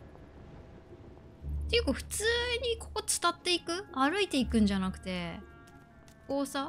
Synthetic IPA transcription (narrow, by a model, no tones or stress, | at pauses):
t̪ejɯ̟kaɸɯ̟̥t͡sɨːɲ̟iko̞ko̞t͡sɨ̥t̪at̪ːe̞ikɯ̟aɾɯit̪e̞ikɯ̟̃ɲ̟d͡ʑanakɯ̟̥t̪e̞ | oːsa